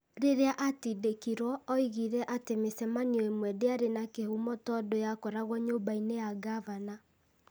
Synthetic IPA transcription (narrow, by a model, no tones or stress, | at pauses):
ɾeɾeaʔatidekiɾwɔːiɣiɾɛʔatemesɛmaniɔemwɛdeaɾenakehumɔtɔdojakɔɾaɣwɔɲoːmbainejaɡavana